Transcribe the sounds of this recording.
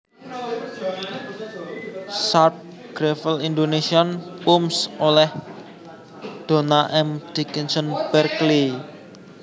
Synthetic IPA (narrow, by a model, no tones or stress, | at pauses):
sarp̚ | ɡ̥ɾefəlind̪onesiɔnpumsolɛh | d̪̥o̤naʔɛmd̪̥i̤kənsənb̥ɛrkli